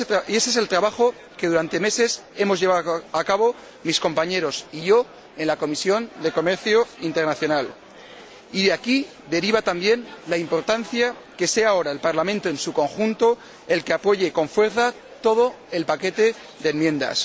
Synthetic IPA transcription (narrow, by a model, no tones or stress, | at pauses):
e̞sese̞lt̪ɾaβaχo̞ | ke̞ðuɾant̪e̞me̞se̞se̞mo̞zʝeaðakaβo̞ | misko̞mpaɲeɾo̞siʝo̞ | e̞nlako̞misjo̞nd̪e̞ko̞me̞ɾθjoint̪e̞ɾnaθjo̞nal | iðeaki | d̪e̞ɾiβ̞at̪ambje̞nlaimpo̞ɾt̪an̟θja | ke̞se̞ao̞ɾaelpaɾlamẽnt̪oe̞nsuko̞ŋxunt̪o̞ | e̞lke̞apo̞ʝe̞ko̞ɱfwe̞ɾθa | t̪o̞ð̞o̞ | e̞lpake̞t̪e̞ | ðenmjẽ̞nd̪a̰s